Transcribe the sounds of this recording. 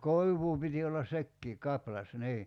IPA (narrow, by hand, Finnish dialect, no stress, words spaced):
koiʋˑuː piti olːɑs sekːiː kɑplɑs niː